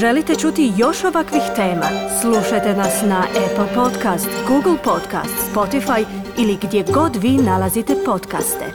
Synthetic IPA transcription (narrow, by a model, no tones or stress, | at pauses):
ʒelit̪e̞t͡ʃut̪ijo̞ʃoʋakʋixt̪e̞ːma̰sluʃajt̪enasnaʔepl̩po̞t̪kast̪ɡuːɡl̩ˠpo̞t̪ka̰st̪spo̞t̪ifajiliɡd̪jeɡo̞d̪ʋiːnalˠazit̪epo̞t̪ka̰st̪ḛ